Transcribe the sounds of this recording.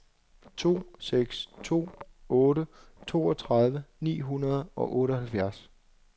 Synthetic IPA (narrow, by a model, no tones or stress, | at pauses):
t͡sʰo̝̰ːseɡ̥st͡sʰo̝̰ː | ɔːɾət͡sʰo̝̰ːɒt͡sʰʁɑð̞ˠʋənḭːɦunɐð̞ˠɒ̽ʔɔ̽ːɾəhælfjæɐs